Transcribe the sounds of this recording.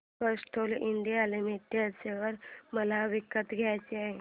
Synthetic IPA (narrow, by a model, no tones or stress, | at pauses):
pəsʈʰoliɳɖijalemeʈjat͡seʋəɾməlaʋikːət̪ɡʱjajt͡ɕeaɦe